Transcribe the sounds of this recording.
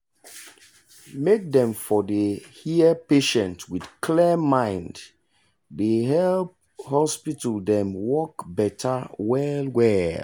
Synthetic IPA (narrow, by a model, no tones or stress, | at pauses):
mek̚dɛ̃mfɔdehiəpeʃɛ̃ntwidkʰlɛmãɪ̃nd | deɦɛlp | hɔspitəldɛ̃mwɔkbɛtʰawɛlwɛl